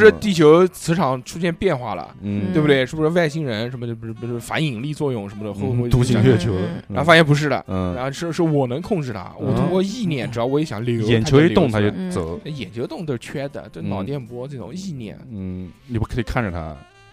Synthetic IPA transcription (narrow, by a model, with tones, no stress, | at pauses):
ʂɻ̩˥˧t̪i˥˩t͡ɕʰjo˧˥ʊt͡sʰɹ̩˧˥ʈ͡ʂʰɑ˨˩˦ŋʈ͡ʂʰu˥ɕ̬jɛ˥˧npjɛ˥˧nxwa̰˥˩lə̰˩˥˩t̪we˥˩bt̪we˥˩ɪʂɻ̩˥˩bu˧˩ʂɻ̩˥ʋa˥˩ɪɕi˥˩ŋɻə˧˥nʂə˧˥mə˧o˥˩bɻ̩˥˩˧o˥˩˥fa̰˧˥ni˨˩ŋli˥˧t͡swɔ˥˧jʊ˥˩ŋʂə˧˥mə˧d̪ə˧xo˥˧˥t̪u˧˥ɕi˧˥ŋɥɛ˥˩t͡ɕʰjo˧˥ʊa˧˥˩fa˥jɛ˥˧npu˧˥ʂ̬ɻ̩˥˩d̪ə̰˩˧a˧˥xʂɻ̩˥˩˧ʂɻ̩ɔ˥˩wɔ˨˩nɤ˧˥ŋkʰʊ˥˧ŋʈ͡ʂɻ̩˥˩t̪ʰa̰˥wɔɔ˨˩t̪ʊ˥ŋkwɔ˥˧i˥˧njɛ˥˩nʈ͡ʂɻd̪ɑ˥˩ʊwɔ˧˥jɛ˧˥ɕjɑ̰˨˧˦ŋljo˨˧˥jɛ˨˩nt͡ɕʰa˥o˧˥i˧˥˧t̪ʊ˥˩ŋt̪ʰa˥t͡ɕo˥˧˩t͡sɤ˨˧˥ʊa˥˩jɛ˨˩nt͡ɕʰjo˧˥ʊt̪ʊ˥˧ŋt̪o˥˧ʂɻ̩˥˩t͡ɕʰɥɛ˥d̪ə̰˨t͡ɕo˥˧˥nɑ˨˩ʊt̪jɛ˥˩npu˧wɔ˥˧ʈ͡ʂɤ˥˩ʈ͡ʂʊ̰˨˩˦ŋi˥˧njɛ̰˥˩n̩˥˩ni˨˩pu˥˩kʰɤ˧˥i˨˩kʰa˥˩nʈ͡ʂə˩t̪ʰa̰˥